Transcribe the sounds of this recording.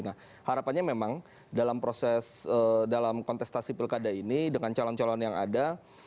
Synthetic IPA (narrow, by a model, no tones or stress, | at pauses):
nah | haɾapanɲamemaŋ | dalampɾosɛsədalamkɔnt̪ɛst̪asipɪlkadainidəŋant͡ʃalɔnt͡ʃalɔnjaŋa̰da